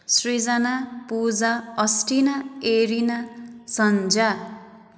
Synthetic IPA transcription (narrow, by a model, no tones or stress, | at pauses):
srid͡zanapud͡zaʌsʈinaeɾinasʌnd͡za